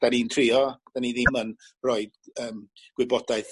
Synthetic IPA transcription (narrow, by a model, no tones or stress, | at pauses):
d̥anintʰrɪɔd̥aniðɪmən | rɔɨd̥əːm | ɡ̥wɪbɔdaɨθ